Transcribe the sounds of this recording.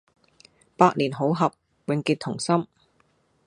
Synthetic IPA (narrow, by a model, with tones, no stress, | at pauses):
paː˧t̚liː˨˩nɦo˨˥wɦɐ˨p̚ | wɪ˨˧ŋkiː˧t̪ʰʊ˨˩ŋsɐ˥m